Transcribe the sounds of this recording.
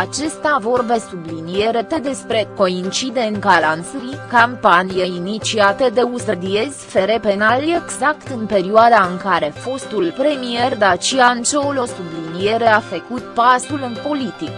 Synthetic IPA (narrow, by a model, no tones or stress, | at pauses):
at͡ʃe̞st̪avo̞rbe̞sublinije̞ɾe̞p̪e̞d̪e̞spɾe̞ko̞int͡ʃid̪e̞nkalansɾikampanijeinit͡ʃiat̪ed̪e̞usəd̪iez̥ʲfe̞ɾe̞pe̞nale̞ɡzakt̪ɨnpe̞ɾioad̪aɨŋkaɾe̞fo̞st̪ulpɾe̞mije̞rd̪at͡ʃiant͡ʃolo̞sublinije̞ɾe̞afəkut̪̚pasulɨnpo̞lit̪ik